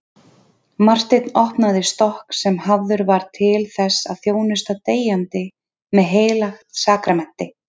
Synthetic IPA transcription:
mar̥t̪ɪt̪nɔhpnaðɪst̪ɔhksɛmhavðʏɾvaɾ̥t̪ʰɪlθɛsːa̰ðθjoːwnɪst̪at̪eːjant̪ɪ | mɛðɦeːjlaxt̪saːkɾamɛn̥t̪ɪ

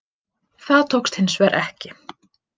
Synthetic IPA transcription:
θaðt̪ʰowkst̪hɪnːsvɛːɾʔɛhcɪ

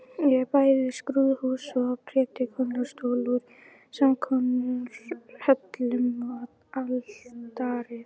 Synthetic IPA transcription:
jɛpaːjðɪskɾuðhuːsɔpʰɾɛːt̪ɪkʰɔnast̪oːluɾ̥ | samkʰɔnʏɾ̥hɛt̪lʏmat | alt̪aːɾɪ

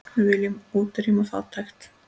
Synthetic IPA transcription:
vɪljʏmuːt̪ɪɾimaθa̰t̪ʰːajxt̪

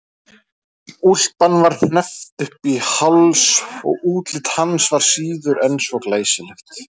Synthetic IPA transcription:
ul̥t̪anːvaɾ̥θnɛft̪ʏhpihawlsɔ̰ɣuːt̪lɪt̪hansvaɾ̥siːðʏɾɛnsɔklaːjsɪlɪxt̪

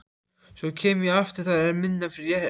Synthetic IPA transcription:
sɔcʰɛːmjɛɣaft̪ɪɾ̥θaðɛɾmɪnːafɪɾɪɾjɛ

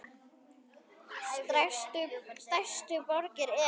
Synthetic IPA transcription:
st̪st̪ajst̪ʏpɔɾcɪɾɛ

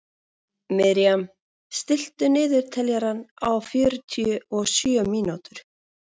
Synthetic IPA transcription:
mɛɾijam | st̪ɪl̥t̪ʏnɪːðɪɾ̥t̪ʰɛljaɾanawfjœːɾʏt̪ʰiʏɔɣsjœœmiːnawt̪ʏɾ̥

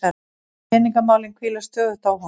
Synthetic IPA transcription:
a | ɛːniŋkamaːwlɪnkʰviːlast̪œːðʏt̪aːwɦa

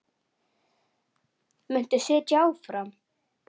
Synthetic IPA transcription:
mʏn̥t̪ɪsɪːt̪jaːwfɾam

